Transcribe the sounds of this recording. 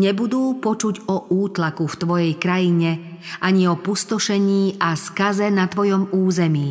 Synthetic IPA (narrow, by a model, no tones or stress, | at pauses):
ɲɛbud̪uːpɔt͡ʃuɟɔʔuːt̪lakuft̪ʋɔjɛjkɾajiɲɛ | ʔaɲiɔpust̪ɔʃɛɲiːʔaskazɛnat̪ʋɔjɔmuːzɛmiː